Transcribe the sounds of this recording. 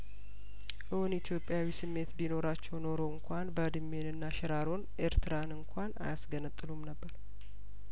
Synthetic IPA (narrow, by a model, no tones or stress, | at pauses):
ʔɨwunit̪ʰjo̞pʼːjawisɨmːe̞t̪bino̞ɾat͡ʃːɛwno̞ɾo̞ɨŋkʰʷanbəd̪ɨmːe̞nɨnːaʃɛɾaɾo̞nʔe̞ɾt̪ʰɨɾanɨŋkʷʰana̰jasɡənɨt̪ʼːɨlumnəbːəɾ